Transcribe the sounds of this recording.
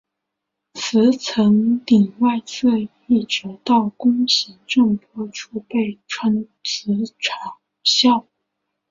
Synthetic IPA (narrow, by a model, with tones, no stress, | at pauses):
t͡sʰɹ̩˧˥t͡sʰɤ˧˥ŋt̪i˨˩ŋwa˥˧ɪt͡sʰɤ˥˧ | i˥˩ʈ͡ʂɻ̩˧˥t̪ɑ˥˩ʊkʊ˥ŋɕi˧˥ŋʈ͡ʂɤ˥˩ŋpʰwɔ˥ʈ͡ʂʰu˥pe˥˩ɪʈ͡ʂʰwa˧˥n | t͡sʰɹ̩˧˥ʈ͡ʂʰa˨˩ŋ | ɕjɑ˥˩ʊ